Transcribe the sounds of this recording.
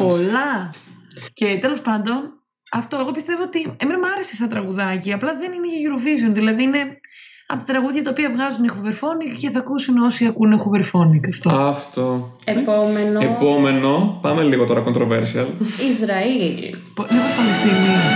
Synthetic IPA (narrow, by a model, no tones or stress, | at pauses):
po̞lɐ | ce̞t̪e̞lo̞spɐnd̪o̞n | ɐft̪o̞e̞ɣo̞pist̪e̞vo̞ot̪iemenɐmɐɾe̞sesɐnt̪ɾɐɣuðɐciɐplɐðe̞nineʝɐʝiɾo̞vizio̞nðilɐðiine̞ | ɐpot̪ɐt̪ɾɐɣuðʝɐt̪ɐopiɐvɣɐzunixuveɾfo̞nikceθɐkusuno̞siɐkunexuveɾfo̞nikɐft̪o̞ɐft̪oepomenepo̞me̞no̞pɐme̞liɣot̪oɾɐko̞nt̪ɾoveɾsiɐlizɾɐilpmipospɐlest̪ini